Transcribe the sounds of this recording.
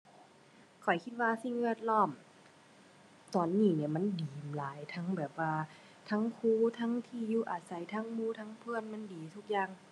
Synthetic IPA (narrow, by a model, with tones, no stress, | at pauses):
kʰɔ˨˩jkʰi˧˥t̪̚waː˧si˧ŋʋi˧˩ət̪̚lɔː˧˥˩m | t̪ɔː˨˩nːiː˧˩ni˧˩ɐma˧˥˨ndiː˨˩mlaː˨˦jt̪ʰa˧˥ŋbɛː˨˩p̚waː˧ | t̪ʰa˧˥˨ŋkʰuː˧˥˨t̪ʰa˧˥˨ŋt̪ʰiː˧˩˨juː˧˩˨ʔaː˨˩t̪̚sa˨˦jt̪ʰaː˧˥˨ŋmuː˧˥˨t̪ʰaː˧˥˨ŋpʰɯː˧˥˨ənma˧˥˨ndiː˨t̪ʰu˧˥k̚jaː˧˨ŋ